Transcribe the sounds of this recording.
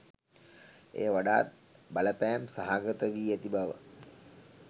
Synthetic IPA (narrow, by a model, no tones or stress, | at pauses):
ḛːʋaɖaːt̪̚ | baləpæːmsaɦaɡət̪əʋiːæt̪ibaʋə̰